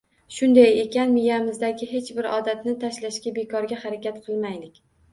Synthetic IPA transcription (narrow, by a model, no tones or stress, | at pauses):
ʃʊnd̪aje̞kʲanmɪjamɪzd̪aɡʲɪɦe̞t͡ʃbɪɾɒ̰d̪at̪nɪt̪ʰaʃlaʃkʲabe̞kʰɒɾɡʲahaɾakʲat̪qʰɨlˠmajlɪkʲ